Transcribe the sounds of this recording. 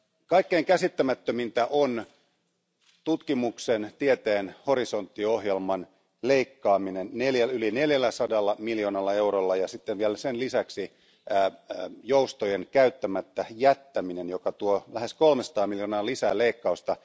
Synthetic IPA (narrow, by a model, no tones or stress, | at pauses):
kɑikːeiŋkæsit̪ːæmæt̪ːømint̪æʔon | t̪ut̪kimuksent̪iet̪eːnho̞ɾisont̪ːioɦjelmɑn | leikːɑːminenneljæylineljælːæsɑdɑlːɑmiljonɑlːɑewrolːɑjɑsit̪ːeʋʋielsenlisæksi | joust̪ojenkæyt̪ːæmæt̪ːæjæt̪ːæminenjokɑt̪uolæhe̞skolmesɑ̥t̪ɑːmiljonɑːlisæ̰ːleikːɑust̪ɑ